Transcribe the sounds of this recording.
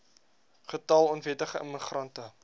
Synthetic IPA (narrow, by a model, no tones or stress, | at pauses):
χətɐlˠɔnvɛtəχəə̰məχrɐntə